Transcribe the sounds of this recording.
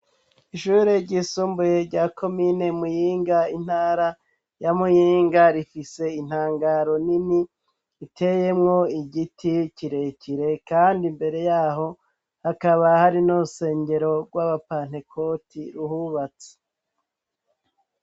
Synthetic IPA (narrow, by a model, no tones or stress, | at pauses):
iʃuːɾeɾɟisuːmbuje̞ɾɟaːkʰo̞mine̞mujiːŋɡain̥haːɾa | jamujiːŋɡaɾifise̞in̥haːŋɡaːɾo̞niniː | tʰe̞je̞mŋo̞iɟitʰiciɾe̞ciɾe̞kaːndimbe̞ɾe̞jaːɦo̞ | hakaβahaɾinuɾuse̞ːɲɟeɾo̞ɡwaβapaːn̥e̞kʰo̞ːtiɾuhuβat͡se̥